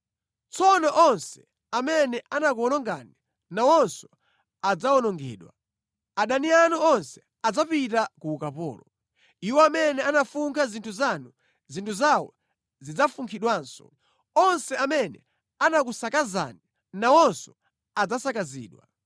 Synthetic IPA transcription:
t͡sɔnɔʔɔnsɛ̥ | amɛnɛʔanak̬uɔnɔŋɡa̰ni | nawɔnsɔ̥ | ad͡zawɔnɔŋɡɛ̰ːɗwa̰ | aɗanianuɔnsɛ̥ | ad͡zapitakuːkapɔ̰ːlɔ | iwɔamɛnɛanafuŋkʰazintʰuzanu | zintʰuzawɔ̰ | zid͡zafuŋkʰiɗwaːnsɔ̥̰ | ɔnsɛamɛnɛ̰ | anak̬usakaza̰ni | nawɔnsɔ | ad͡zasakazḭːɗwa

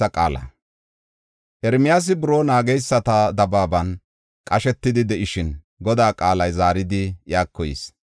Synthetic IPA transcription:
ɐkʼa̰ːlɐ̰ | ʔɛɾmɪjaːs̬ɪbʊɾoːnaːɡɛjsːɐt̪ɐd̪ɐbaːbɐn | kʼɐʃɛt̪ːɪd̪ɪd̪ɛʔɪʃɪn | ɡɔd̪aːkʼaːlɐjzaːɾɪd̪ɪʔjaːkːɔjɪ̰s

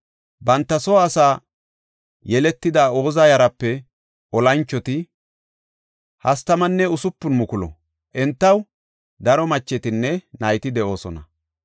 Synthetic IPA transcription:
bɐnt̪ːɐsɔɐsaː | jɛlɛt̪ːɪd̪aːo̞ːzajɐɾɐpːɛ | ɔlɐnt͡ʃːɔt̪ɪ | hɐst̪ɐmɐnːɛʊsʊpːʊnmʊkʊlɔ̰ | ʔɛnt̪ːɐw | d̪ɐɾɔmɐt͡ʃːɛt̪ɪnːɛnɐjt̪ɪd̪ɛʔo̞ːsɔnɐ̰

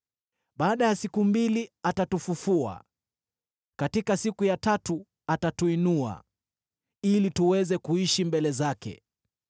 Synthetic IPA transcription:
ɓaːɗajasikumbiliatatufufua̰ | katikasikujatatu | atatuinua̰ | ilituwɛzɛkuiʃimbɛlɛzakɛ̰

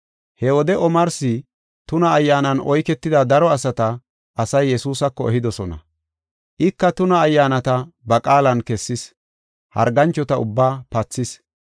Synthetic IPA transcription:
hɛwɔd̪ɛʔɔmɐɾsɪ | t̪ʊnɐːjːaːnɐnʔɔjkɛt̪ːɪd̪ɐd̪ɐɾɔɐsɐt̪ɐ | ʔɐsɐjːɛsuːsɐkːɔɛɦɪd̪ɔsɔnɐ̰ | ʔɪkːɐt̪ʊnɐːjːaːnɐt̪ɐbɐkʼaːlɐnkɛsːɪs | hɐ̰ɾɡɐnt͡ʃːɔt̪ɐʊbːaːpɐt͡sːɪs

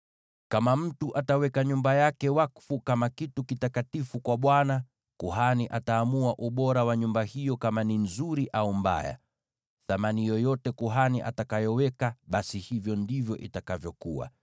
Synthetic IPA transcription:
kamam̩tuʔatawɛkaɲumbajakɛwakfukamakitukitakatifukwaɓwana | kuɦaniʔataːmuaʔuɓɔɾawaɲumbahijɔkamaninzuɾiʔaumba̰ja̰ | θamanijɔjɔtɛkuɦaniʔa̰takajɔwɛkaɓasihivjɔndivjɔʔitakavjɔkuwa̰

